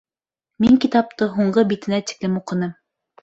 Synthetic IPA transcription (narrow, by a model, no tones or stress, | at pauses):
miŋkit̪ɑp̚t̪ɤɦuɴɢɤbit̪ɘ̆næt̪i̥klɘmuqɤ̆nɤm